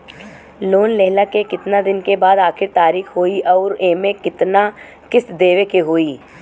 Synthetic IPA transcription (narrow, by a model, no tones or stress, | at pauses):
loːnlɛɦlakekɪt̪nad̪ɪnkebaːd̪aːxʰɪɾt̪aːɾiːxɦoːiʔɔːɾeːmẽkɪt̪na | kɪsd̪eːʋekeɦoːiː